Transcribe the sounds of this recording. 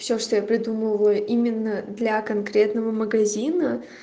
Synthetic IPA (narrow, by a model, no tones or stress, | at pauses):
fsʲoʂt̪ojapɾʲɪd̪uməvəjʊʔimʲɪnːəd̪lʲakɐnkɾʲe̞t̪nəvəməɡɐzʲinə